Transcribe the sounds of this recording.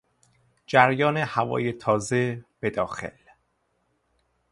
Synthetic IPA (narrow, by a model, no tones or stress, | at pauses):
d͡ʒæɾjɒːnehævɒ̰ːjet̪ʰɒːze̞b̥e̞d̪ɒːxḛl